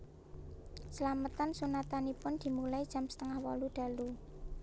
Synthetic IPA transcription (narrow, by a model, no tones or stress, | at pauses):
səlamət̪ansunat̪anipʊnd̪̥i̤mulaid̥ʒ̥a̤msə̥t̪əŋahwɔlud̪̥a̤lu